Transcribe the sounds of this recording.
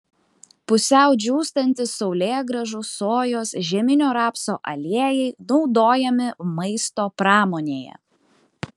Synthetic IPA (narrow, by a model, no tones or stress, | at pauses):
pʊsʲɛˑʊd͡ʒʲuːst̪ɐnʲt̪ʲɪsɒʊlʲeːɡɾɐʒʊsoːjoːsʒʲɛmʲɪnʲoːɾɑːpsoːʔɐlʲiɛjɛɪnɒʊd̪oːjɛmʲɪmɐɪst̪oːpɾɑːmoːnʲeːjɛ̰